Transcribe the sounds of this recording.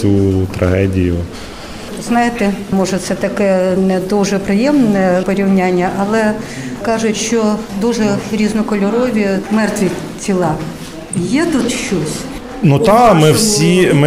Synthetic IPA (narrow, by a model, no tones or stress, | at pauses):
ut̪ɾɐ̰ɦɛdʲijʊ | znɑjɪt̪ɛmɔʒɛt̪sɛt̪ɐkɛnɛd̪uʒɛpɾɪjɛmnɛpɔɾʲiwnʲanʲːɐʔɐlˠɛkɑʒʊtʲʃt͡ʃɔd̪uʒɛɾʲiznɔkɔlʲɔɾɔʋʲimɛrt̪ʋʲit͡sʲilˠɑ | jɛd̪utʲʃt͡ʃɔsʲ | nut̪ɑmɪwsʲimɪ